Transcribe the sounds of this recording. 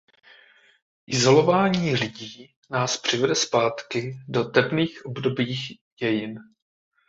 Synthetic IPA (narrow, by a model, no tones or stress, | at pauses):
ʔɪzo̞lo̞vaːɲiːlɪɟiː | naːspr̝̥ɪvɛdɛspaːt̪kɪdo̞t̪ɛpniːxʔo̞bdo̞biːx | ɟɛjɪn